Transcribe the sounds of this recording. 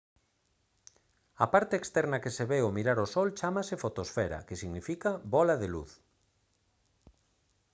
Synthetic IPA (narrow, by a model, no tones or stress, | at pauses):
apaɾt̪eːkst̪ɛɾnakeseβeomiɾaɾosɔlt͡ʃamasefot̪osfɛɾa̰kesiɣnifikabɔlaðelṵθ